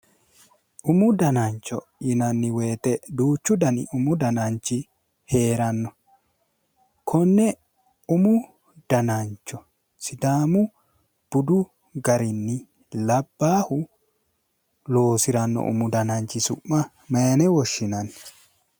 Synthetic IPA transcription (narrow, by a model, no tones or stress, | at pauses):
ʔʊmʊd̪ɐnant͡ʃːɔ | ɪnɐnːɪweːt̪ɛd̪uːt͡ʃːʊd̪ɐnɪ̰ʔʊmʊd̪ɐnant͡ʃːɪ | heːɾɐnːɔ | kʰɔnːɛ | ʊmʊ | d̪̥ɐnant͡ʃːɔ | sɪd̪aːmʊ | b̥ʊd̪ʊ | ɡɐɾɪnːɪ | lɐbːaːhʊ | lo̞ːsɪɾɐnːɔ̰ʔʊ̰mʊd̪ɐnant͡ʃːɪsʊ̰ʔːɐ | meːnɛwɔʃːɪnɐnɪ